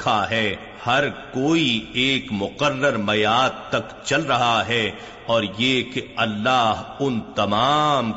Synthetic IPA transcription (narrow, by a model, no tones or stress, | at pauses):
aɦɛː | hɐɾkoːieːkmʊqərːəɾmɐjaːd̪̚t̪ɐkt͡ʃɐlɾɐɦaɦɛ | ɔːɾjekeɐlːaːɦʊnt̪ɐmaːm